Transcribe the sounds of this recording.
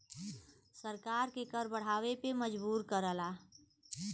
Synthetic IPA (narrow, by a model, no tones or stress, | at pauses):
səɾkaːɾkekəɾbəɽ̤aːʋepeməd͡ʒbuːɾkəɾəlaː